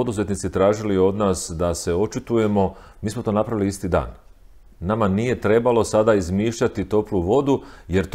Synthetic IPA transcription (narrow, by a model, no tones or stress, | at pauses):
od̪uze̞t̪nit̪sit̪ɾaːʒilio̞d̪naːsd̪ase̞o̞t͡ʃit̪uje̞mo̞ | miːsmo̞t̪o̞napɾaʋiliist̪id̪a̰ːnː | amanije̞t̪ɾe̞balo̞sad̪aizmiːʃʎat̪it̪o̞pluʋo̞d̪uje̞ɾt̪